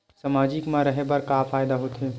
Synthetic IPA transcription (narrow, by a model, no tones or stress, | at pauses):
səmaːd͡ʒɪkmãɾəɦebəɾkaːfʰaːjd̪aɦoːt̪e